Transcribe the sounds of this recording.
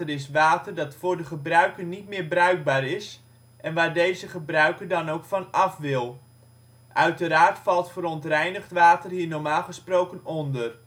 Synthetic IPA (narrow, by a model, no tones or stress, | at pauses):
əɾɪs̬ʋaːtərdɑtfʊːɹdəχəbrœɥkənnitmɪːɹbrœɥɡ̚baːɾɪs | ʔɛnʋaːɹdejzəχəbrœɥkərdɑnowkfɑnɑfʋɪlˠ | ʔœɥtəɾaːrtfɑlˠtfəɾɔntrɛjnəχtʋaːtərɦiːɹnɔɹmaːlˠχəsprowkənɔndər